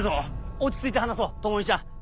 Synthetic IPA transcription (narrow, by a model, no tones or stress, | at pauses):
zoot͡ɕi̥t͡sɨit̪e̞ɦanas̬oːt̪omoɲ̟it͡ɕ̪a